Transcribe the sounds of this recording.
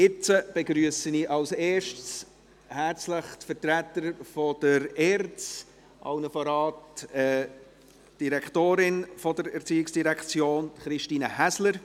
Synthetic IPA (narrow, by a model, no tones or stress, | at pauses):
ɪt͡səb̥eɡɾyəsəniʔɑlseːʃts | hæɾt͡sləχt̪fəɾtɾæt̪ːəɾfɔd̥əɾɛːɾt͡s | ʔɑ̰ʊnəfɑɾɑːtɛ | d̥iɾɛktoːɾɪnfɔdəɾɛɾt͡siːɪksd̥iɾɛkʰt͡sjoːnχɾɪʃtiːnəhæsləɾ